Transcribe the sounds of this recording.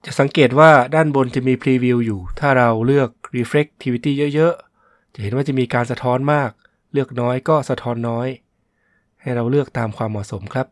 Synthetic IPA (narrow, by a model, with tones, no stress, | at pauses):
t͡ɕa˨˩ʔsa˩˦ŋkeː˨˩t̪̚waː˥˩daː˥˩nbo˧nt͡ɕʰa˨˩miː˧pʰliː˧wi˧wjuː˨˩t̪ʰaː˥˩ɾa˧wlɯ˥˩ək̚ɾiː˧fle˦˥k̚t̪ʰi˧iː˧t̪iː˥˩jɤ˦˥ʔjɤ˦˥ʔ | t͡ɕa˨˩ʔhe˩˦nwaː˥˩t͡ɕa˨˩miː˧kaː˧nsa˧t̪ʰɔː˦˥nmaː˥˩k̚ | lɯ˥˩ək̚nɔː˦˥jkɔː˥˩sa˧t̪ʰɔː˧˥nːɔː˦˥j | ha˥˩jɾa˧wlɯ˥˩ək̚t̪aː˧mkʰwaː˧mːɔː˨˩so˩˦mkʰɾa˦˥p̚